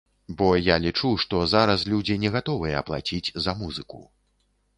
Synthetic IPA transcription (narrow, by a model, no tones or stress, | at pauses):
bɔjalʲit͡ʂuʂt̪ɔzaɾɐslʲud͡zʲinʲɛɣat̪ɔvɨjɛɐplˠa̰t͡sʲid͡zʲzɐmuzɨkṵ